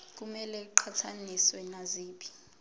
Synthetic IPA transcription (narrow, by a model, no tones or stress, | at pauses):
k̬ʼumɛlɛǃʰatʰaniswɛnaziːpʰi̥